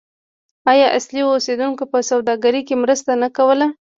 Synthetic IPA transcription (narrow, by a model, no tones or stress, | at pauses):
ɑjɑʔaslioosed̪unkopəsawd̪ɑɡaɾikemɾəst̪anakawəla